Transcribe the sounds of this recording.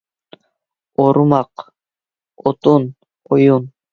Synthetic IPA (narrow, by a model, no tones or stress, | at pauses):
oɾumɑq | ot̪un | ojun